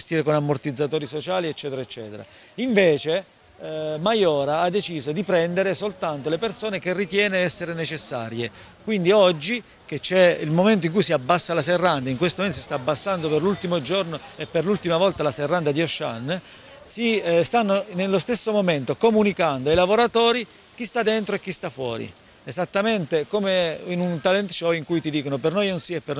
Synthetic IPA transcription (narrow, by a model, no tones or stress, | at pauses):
d͡ʒst̪iːɾekonamːort̪id̪zːat̪oːɾisot͡ʃaːliet͡ʃːɛːt̪eɾaet͡ʃːɛ̰ːt̪eɾa̰ | iɱveːt͡ʃe | majɔːɾaad̪ːet͡ʃiːzod̪ipɾɛnd̪eɾesolt̪ant̪olepersoːnekerːit̪jɛːneɛsːeɾenet͡ʃesːaːɾje | kwind̪iɔd͡ʒːi | ket͡ʃːɛilmoment̪̬oiŋk̬ujs̬iabːasːalaserːand̪aiŋkwest̪omoment̪osist̪aːbːasːand̪operlult̪imod͡ʒornoepːerlult̪imavɔlt̪alaserːand̪ad̪ioʃːa̰nː | sist̪anːonelːost̪esːomoment̪okomunikand̪oajlavoɾat̪oːɾi | k̟ist̪ad̪ːent̪ɾoek̟ːist̪afːwɔ̰ːɾḭ | ezat̪ːament̪ekomeinunt̪alɛnt̪t͡ʃɔiŋkujt̪id̪iːkonopernojnonsiɛpːern